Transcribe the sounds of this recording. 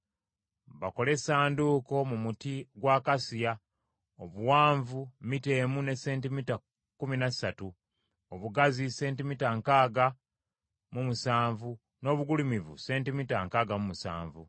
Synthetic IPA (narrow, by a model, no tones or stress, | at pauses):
βako̞le̞saːnduko̞mumutiɡwaːkasija | oβuwaːɱvumite̞ːmune̞se̞ːntimita | kuminasatu | oβuɡazise̞ːntimitaŋkaːɡa | mumusaːɱvu | no̞ːβuɡulimivṵse̞ːntimitaŋkaːɡamumusa̰ːɱvṵ